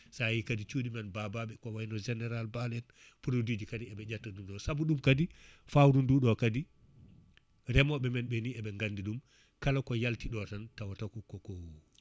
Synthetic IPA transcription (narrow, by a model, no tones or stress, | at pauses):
sajikadit͡ʃudimɛnbabaɓɛkɔwajinɔd͡ʒɛnɛɾalbalɛn | puɾodid͡ʒikadiɛɓɛd͡ʒatːaɗumɗɔsabuɗumkadifawɾunduɗɔkadi | ɾɛmɔɓɛmɛnbɛniɛɓɛŋɡandiɗum | kalakɔjaltiɗɔtantawatakukːɔkɔwu